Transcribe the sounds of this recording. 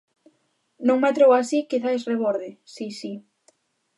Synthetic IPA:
nõŋmat̪ɾowasikiθaesreβoɾðɪsisi

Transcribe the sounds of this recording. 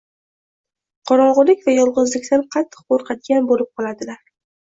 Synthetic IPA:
qʰɒɾɒʁɨlɪkʲvajɒlˠʁɨzlɪkʲt̪anqʰɑt̪ʰːɨ̥q̚qoɾqʰɑt̪̚ɡʲanbolɪp̚qʰɒlˠad̪ɪlaɾ

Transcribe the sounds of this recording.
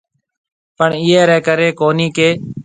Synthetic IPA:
pəɳɪːɛːɾɛːkəɾeːkoːniːkeː

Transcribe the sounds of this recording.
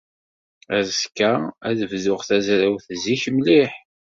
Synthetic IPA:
æskːææðəvðʊʁθæzɾæwθziçməliħ

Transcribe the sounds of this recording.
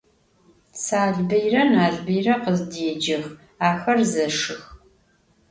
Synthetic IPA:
saːɮbɐjrɐnaːɮbɐjrɐqəzdiɛd͡ʒɐx | aːxɐrzɐʂɨx

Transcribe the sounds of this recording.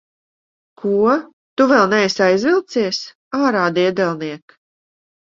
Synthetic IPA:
kʰuɔ | t̪uvɛlˠnɛjsajzvilˠt̪siɛs | aːɾaːd̪iɛd̪ɛlˠniɛk

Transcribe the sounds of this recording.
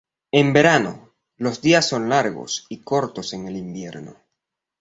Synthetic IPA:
e̞mbe̞ɾano̞̰ | lo̞zd̪iasːo̞nlaɾɣo̞̰siko̞ɾt̪o̞se̞ŋelimbje̞ɾno̰

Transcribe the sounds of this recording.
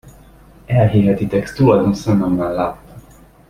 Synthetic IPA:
ɛlɦiɦɛt̪it̪ɛkst̪ulɒd̪onsɒnɒmːanlaːt̪ːɒ

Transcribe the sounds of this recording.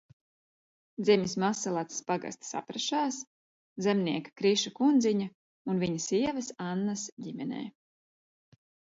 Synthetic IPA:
d̪zɛmʲismasːalˠat̪spaɡa̰st̪sa̰pɾɛʃaːs | zɛmniɛkḁkɾiʃakund̪ziɲa | unviɲɐsiɛvɐsanːasɟimɛnɛ̰ː

